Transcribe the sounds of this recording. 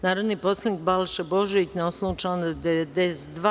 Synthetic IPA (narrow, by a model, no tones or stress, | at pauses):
naːɾod̪nipo̞slˠaniːk̚balˠʃeboʒeit̪neoslˠuːt͡ʃand̪ed̪esd̪ʋa